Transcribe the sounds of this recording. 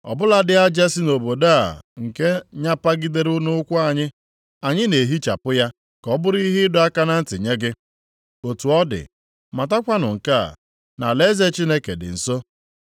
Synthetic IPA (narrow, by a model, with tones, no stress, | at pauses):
ɔ̰˨bʊ˦la˦dɪ˦a˦d͡ʒa˦si˦no˨bo˨da˦a̰˨ŋ̩˨ke˦ɲa˦pa˦ɡi˦de˦ɾʊ˦nʊ˦kʷʊ˦a˦˨ɲɪ˦ | a˨ɲɪ˦ne˨ɦi˦t͡ʃa̰˨pʊ˦ja˦ | kɔ˦bʊ˦ɾi˦ɦɪ˦ɪ˦dʊ˦a˦ka˦na˦n̩˦tɪ˨ɲe˦ɡɪ˦ | o˨tu˨ɔ˦dɪ̰˨ | ma˨ta˦kʷa˦nʊ˨ŋ̩˨ka˦a̰˨ | na˨le˦ze˦t͡ʃi˦ne˦ke˨dɪ̰˨n̩˨so˦